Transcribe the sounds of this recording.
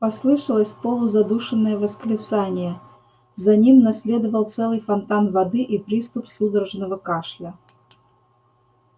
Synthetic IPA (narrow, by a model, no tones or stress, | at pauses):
pɐslˠɨʂəlˠəsʲpolˠʊzɐd̪uʂɨnːəjəvəsklʲɪt̪sanʲɪjə | zɐnʲimnɐsʲlʲe̞d̪əvəlˠt̪sɛlˠɨjfɐnt̪anvɐd̪ɨʔipɾʲist̪ʊpsud̪əɾəʐnəvəkaʂlʲə